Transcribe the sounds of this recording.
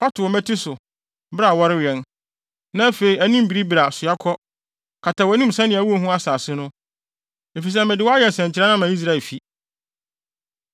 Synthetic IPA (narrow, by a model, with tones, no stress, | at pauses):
wa˦tʊ˨ɔ˨mæ̃˦tʰi˦sʊ˨ | bɾa˨wɔ˦ɾɪ˦ɥɛ˨n | nã˦fe˨i˨æ˦nĩ˦m˨bi˨ɾi˦bi˨ɾa˨sʊ˨a˦kʰɔ˦ | kʰa˨tʰã˨wɔ˨æ˦nĩ˦m̩˨sɛ̃˦nɪ̃˨æ˨wu˦o˦ɦũ˦a˦saː˨sɪ˦nʊ̃˦ | e˨fi˨s̬ɛ˦mɪ̃˨dɪ˨˦wɔ˦a˦jɛ˨n˨sɛ̃˨ɲ˨t͡ɕʰɪ˨ɾa˦nã˦mã˨˦i˦s̬ɾa˦˨ɛ˨lfi˨